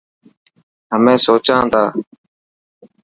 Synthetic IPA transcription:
ɦəmẽːsoːt͡ʃãːt̪aː

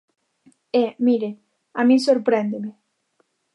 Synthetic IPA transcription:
emiɾe | amĩsoɾpɾend̪eme

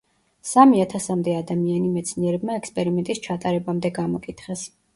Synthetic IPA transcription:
samiat̪ʰasamd̪ɛad̪amianimɛt̪sʰniɛɾɛbmaɛkspʼɛɾimɛnt̪ʼist͡ʃʰat̪ʼaɾɛbamd̪ɛɡamɔkʼit̪ʰχɛs

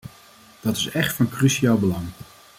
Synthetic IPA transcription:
d̥ɑtɪsɛχtfɑnkryʃiaːlˠbəlɑŋ

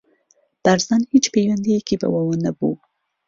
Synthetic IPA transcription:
t̪aɾzɑnhit͡ʃpewand̪ijkiba̰wawənabṵ

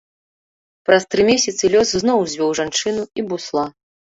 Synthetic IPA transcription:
pɾɐst̪ɾɨmʲesʲɐt̪sɨlʲɔsznɔwzʲvʲɔwʐant͡ʂɨnuibuslˠa

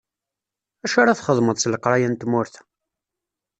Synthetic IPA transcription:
æʃaɾaθχəðˤməd̪ˤsləqɾˤɑjænt̪mʊɾθ

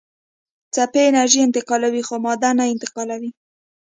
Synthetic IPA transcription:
t͡sapeɪnaɾʒiɪnt̪ɪqɑlawixomɑd̪anaɪnt̪ɪ̥qɑlawi

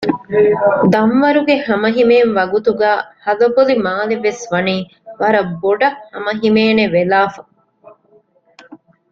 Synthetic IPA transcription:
d̪ɐmʋɐɾuɡehɐmɐɦimeːnʋɐɡut̪uɡæːhɐlɐbolimaːleʋesʋɐniː | ʋɐɾɐboɖɐkhɐmɐɦimeːneʋelaːfɐ

